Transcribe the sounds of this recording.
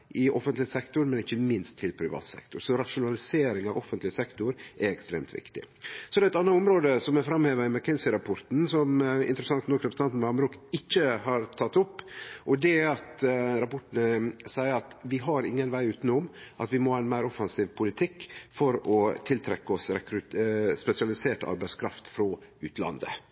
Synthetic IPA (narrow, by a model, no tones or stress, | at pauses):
ʔɪʔɔfənt̪lɪsɛkt̪ʊɾmɛnɪçːəmɪnst̪ʰːɪlpʰɾɪʋɑ̰ːt̪sɛ̰kt̪ʊɾsɔɾɑʂʊnɑlɪseːɾɪŋɑʋɔfənt̪lɪsɛkt̪ʊɾʔɛɾɛkst̪ɾḛːmt̪ʰʋɪ̰kt̪ɪ̰ | sɔd̪ɛæːɛt̪ɑnːəɔmɾoːd̪əsɔmɛfɾɑmheːʋəɾɪmɑɾkʰɛnsɪɾɑpʰɔɾt̪n̩sɔmɪ̰nt̪ɾəsɑŋt̪nɔkɾɛpɾs̩ɑnt̪n̩ɑmbɾuːkɪçːəhɑɾt̪ʰɑt̪ːʊpːʔɔd̪ɛɑt̪ɾɑpɔʈəɳəsæɪəɾɑt̪ʋɪɦɑɾɪŋːənʋæɪʉːt̪nʊmʔɑt̪ʋɪmohɑɪnmæɪɾɔfɑnsiːʋpʰʊlɪt̪ʰɪkːfɔɾɔt̪ʰɪlt̪ʰɾɛkːəɔsɾɛkɾʉspɛsɪɑlɪseːʈɑ̰ɾbæɪskʰɾɑft̪fɾɔʉ̰ːt̪ʰlɑ̰nd̪ə̰